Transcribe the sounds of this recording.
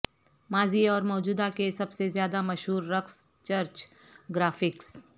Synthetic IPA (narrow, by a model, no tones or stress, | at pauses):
maːziɔːɾmɔːd͡ʒuːd̪akesɐbsezjaːd̪amɐʃɦuːɾːɐks | t͡ʃɐɾt͡ʃ | ɡɾaːfɪks